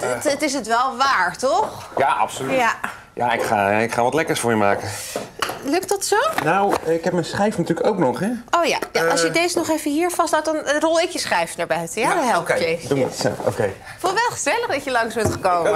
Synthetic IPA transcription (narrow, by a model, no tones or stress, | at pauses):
ətətɪs̬ətʋɛlˠʋaːɹtɔχ | jaʔɑ̰psolyja | ja̰ɪkχa̰ːɪkχaːʋɑtlɛkəɹsfʊːɹjəmaːkə | lɵktdɑtsownawɪkɦɛp̚mɛjnsχrɛjfnatyːləkowknɔχɛowja̰jaʔɑlsjədejzənɔχejvəɦiːɹfɑstɦat̚dɑnrɔlˠɪkjəsχrɛjfənaɹbɛjətjadɦɛlˠpjəduo̰o̰kej | kfulˠtʋɛlˠχəz̥ɛləχdɑcjəlɑŋsbɛntχəkowmmə